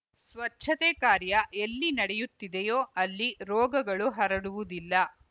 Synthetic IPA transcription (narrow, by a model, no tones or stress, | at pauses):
sʋɐt͡ʃːʰɐt̪ekaːɾjɐelːinɐɽɛjut̪ːid̪ejoːɐlːiɾɔːɡɐɡɐɭuɦɐɾɐɽuʋud̪ilːɐ